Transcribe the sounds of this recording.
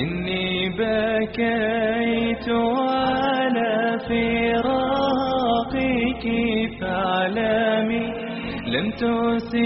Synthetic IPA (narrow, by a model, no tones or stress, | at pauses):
ʔɪnːibakajt̪ʊʕalaːfiɾˤɑ | qikifaʕlami | lamt̪ʊsɪ